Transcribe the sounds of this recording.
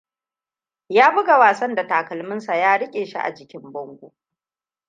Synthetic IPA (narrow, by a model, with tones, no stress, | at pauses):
jaː˦bʊ˦ɡa˨waː˨sɐ˦nda˨taː˨kɐ˨lmɪ˦nsa˨jaː˦ɽɪ˦kʲʼeː˨ʃḭ˦ʔa̰˨d͡ʒɪ˨kʲɪ˦mbɔ˦ŋɡʷo̰ː˨